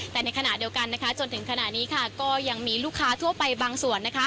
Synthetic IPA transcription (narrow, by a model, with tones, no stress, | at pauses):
t̪ɛː˨˩na˧jkʰa˧na˨˩ʔdi˧əwka˧nːa˦˥kʰa˦˥t͡ɕo˧nt̪ʰɯ˨˩˦ŋkʰa˧na˨˩ʔniː˦˥kʰa˥˩kɔː˥˩ja˧ŋmiː˧luː˥˩kʰːaː˦˥t̪ʰu˥˩əpa˧jbaː˧ŋsu˨˩ənːa˦˥kʰa˦˥